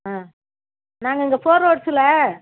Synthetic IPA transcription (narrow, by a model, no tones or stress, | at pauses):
aː | naːŋɡɐɪŋɡɐfoːɾoːʈsɪlɐ